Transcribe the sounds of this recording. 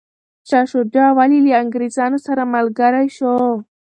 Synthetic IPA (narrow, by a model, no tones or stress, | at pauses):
t͡ʃaʃoɖawaliliaŋɡɾezɑnosaɾamalɡaɾajʃo